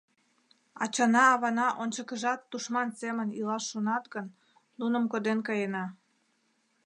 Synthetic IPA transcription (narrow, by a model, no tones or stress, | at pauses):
ɑ̰t͡ɕɑnɑːβɑnɑʔonʲt͡ɕəkəʒɑt̪ːuʃmɑnsemənilɑʃːonɑt̪ɡənː | unəmkod̪enkɑjenɑ